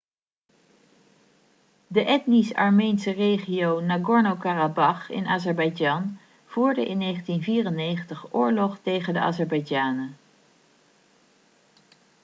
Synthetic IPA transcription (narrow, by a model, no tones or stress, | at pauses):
dəʔɛtnisɑɹmejnsərejχijownaɡɔɹnowkarabɑχɪ̰naːzɛɹbɑjd͡ʒɑn | v̥uːɹdəʔɪnːejχəntinviːrənejχəntəχʔʊːɹlɔχtejχəndəʔa̰ːzɛɹbɑjd͡ʒaːnə